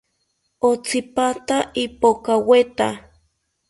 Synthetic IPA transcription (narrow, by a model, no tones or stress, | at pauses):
ot͡sipat̪aipokawet̪a